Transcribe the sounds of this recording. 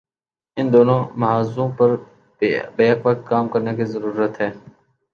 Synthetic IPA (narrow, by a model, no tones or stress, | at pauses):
ɪnd̪oːnõːmɐɦaːzõːpəɾ | beːəkʋək̚t̪̚kaːmkəɾneːkʰiːzəɾuːɾət̪ɦɛː